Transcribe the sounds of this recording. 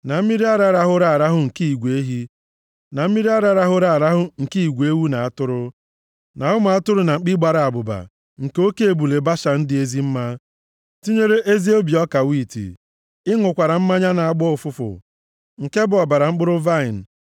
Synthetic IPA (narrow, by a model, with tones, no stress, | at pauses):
na˨m̩˦mi˦ɾi˦a˦ɾa˦ɾa˦ɦʊ˦ɾa˨a˨ɾa˦ɦʊ˦ŋ̩˨ki˦i˨ɡʷe˦ɦi˦ | na˨m̩˦mi˦ɾi˦a˦ɾa˦ɾa˦ɦʊ˦ɾa˨ɾa˦ɦʊ˦ŋ̩˨ki˦i˨ɡʷe˦wu˦na˨a˦tʊ˦ɾʊ˦ | na˨ʊ˦mʊ˨a˦tʊ˦ɾʊ˦na˨ŋ͡m̩˨k͡pi˦ɡ͡ba˨ɾa˨a˨bʊ˨ba̰˨ | ŋ̩˨ke˨˦o˦ke˨e˨bu˨le˨ba˦ʃa˨n̩˦dɪ˨e˦zi˦m̩˦ma˦ | ti˦ɲe˦ɾe˦ʔe˦zi˦o˦bi˨ɔ˦ka˨wi˦˨tḭ˨ | ɪ˦ŋʊ˨kʷa˨ɾa˨m̩˦ma˦ɲa˦na˨a˦˨ɡ͡bɔ˦ʊ˨fʊ˦fʊ̰˨ | ŋ̩˨ke˦bʊ˨ɔ˨ba˨ɾa˨ŋ͡m̩˦k͡pʊ˦ɾʊ˦va˦ɪ˨n̩˨